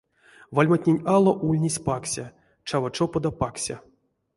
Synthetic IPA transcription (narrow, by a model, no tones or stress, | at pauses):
valʲmatʲnʲenʲalˠoʔulʲnʲesʲpaksʲa | t͡ʃavaʈ͡ʂopod̪apaksʲa̰